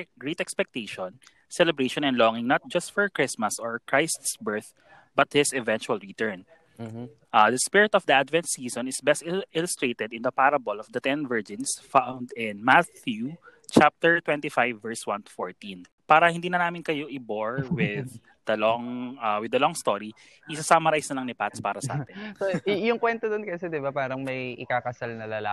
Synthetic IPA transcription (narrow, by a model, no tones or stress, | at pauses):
ɡɹit̪ɛkspɛk̚t̪eʃɔ̃n | sɛlɛbɹeʃɔ̃nɛ̃nd̪lɔŋɪ̃ŋnɐt̪̚d͡ʒɐst̪fɔɹkɹɪsmɐsɔɹkɹajst̪sbɛɹθ | bɐt̪̚hɪsɛvɛ̃nt͡ʃʊɐlɹit̪ɛɹn | ʔad̪ɐspɪɹɪt̪ɔvd̪ɐʔad̪vɛ̃nt̪siːsɔ̃nɪsbɛst̪ɪlʊst̪ɹeːt̪ɛd̪ɪnd̪ɐpaɾɐbɔlɔfd̪ɐt̪ɛ̃nvɛɹd͡ʒɪ̃nsfawnd̪ɪ̃nmatjut͡ʃap̚t̪ɛɹt̪wɛ̃nt̪ifajvːɛɹswɐ̃nt̪u̥foɹt̪ĩn | paːɾɐhɪnd̪iːnɐnaːmɪnkɐjo̞ʔɪboɹwɪð | d̪ɐlɔŋɐwɪd̪ɐlɔŋst̪oɾi | ʔɪsasamɐɾajsnɐlɐŋnɪpat̪spaːɾɐsɐʔa̰ːt̪ɛnojʊŋkwɛnt̪od̪onkɐsɛd̪ɪbapaːɾɐŋmɐjʔɪkakɐsalnɐlɐla